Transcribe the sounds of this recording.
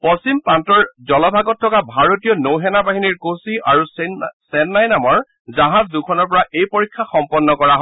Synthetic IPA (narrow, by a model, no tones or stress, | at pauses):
pɔsimpantɔɹzɔlɔbʱaɡɔtʰːɔkabʱaɹotijɔnowɦɛnabaɦiniɹkosiaɹussɛnːajnamɔɹ | zaɦazdukʰɔnɔɹpɔɹaʔejpoɹikʰːaxɔmpɔnːɔkɔɹaɦɔ